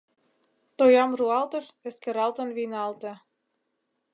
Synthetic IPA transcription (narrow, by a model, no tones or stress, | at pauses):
t̪ojɑmruɑlt̪ɤ̆ʃĕskeɾɑlt̪ə̆nβinɑlt̪ĕ